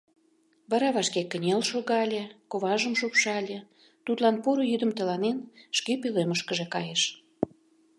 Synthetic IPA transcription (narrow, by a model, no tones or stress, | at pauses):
βɑɾɑβɑʃkekənʲelʃoɣɑlʲekoβɑʒəmʃupʃɑlʲe | t̪ut̪lɑnpuɾojyd̪ə̆mt̪ə̆lɑnenʃkepeleməʃkəʒekɑjeʃ